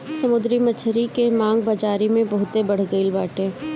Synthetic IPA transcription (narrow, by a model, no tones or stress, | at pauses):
sɐmʊd̪ɾimɐt͡ʃʰɾikemãːŋɡbad͡ʒaːɾimẽbɐɦʊt̪ebɐɽ̤ɡəilbaːʈẽː